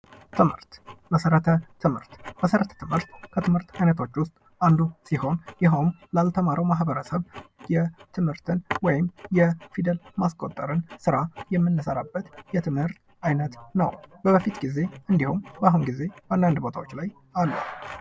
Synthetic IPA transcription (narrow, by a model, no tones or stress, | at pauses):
t̪ʰɨmhɨ̰ɾt̪bəsəɾət̪ʰət̪ʰɨmhɨ̰ɾt̪bəsəɾət̪ʰə̥t̪ʰɨmhɨɾt̪kʰət̪ʰɨmhɨɾt̪ʰajnət̪ʰo̞t͡ʃːwʊst̪ʼ | ʔand̪usiho̞njɛɦownlalt̪ʰəmaɾəwmaɦbəɾəsəβjɛt̪ʰɨmhɨɾt̪ʰɨnwɔjɪmjɛfid̪əlmaskʼot̪ʼːəɾɨnsɨɾajɛmːɨnːɨsəɾabːət̪jɛt̪ʰɨmhɨɾt̪ | ʔajnət̪nəwbəbəfit̪ɡize̞ʔɨnd̪ihumbəaɦunɡize̞bəand̪and̪bo̞t̪ʰa̰wo̞t͡ʃːlaj | alːṵ